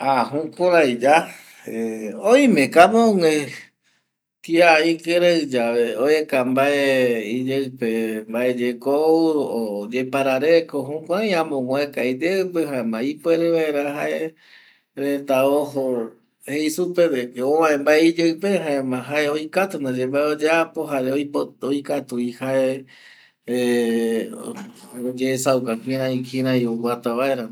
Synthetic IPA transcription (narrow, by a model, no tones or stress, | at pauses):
aɦũkoɾajd͡ʒa | eoĩmẽkamõŋẽ | kiaikeɾeɨd͡ʒaβeoekambaeid͡ʒepembaed͡ʒekood͡ʒepaɾaɾekoɦũkʷaj̃ãmõŋwẽkajd͡ʒepeɦãẽmãipweɾeβaeɾaɦaʔe | ɾet̪aoɦo | heisuped̪ekeoʋãẽmbaeid͡ʒeɨpeɦaẽmãɦaʔeoikat̪und̪ad͡ʒembaeod͡ʒeapoɦaɾeooikat̪uihae | od͡ʒeːsaukãkĩɾãĩkĩɾãiowat̪aβaeɾã